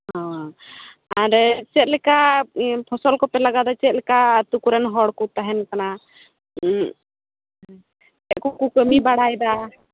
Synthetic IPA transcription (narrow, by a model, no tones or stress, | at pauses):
hɔ̃ | aɾt͡ʃɛt̪̚ˀlɛkapʰɔsɔlkɔpɛlaɡad̪ɔt͡ʃɛt̪̚ˀlɛkat̪ukuɾɛnɦɔɽkut̪aɦɛnkana | ɛʔkukukəmibaɽajd̪a